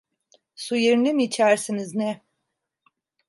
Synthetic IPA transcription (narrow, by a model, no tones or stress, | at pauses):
sujeɾnimiːt͡ʃʰæɾsiniznɛ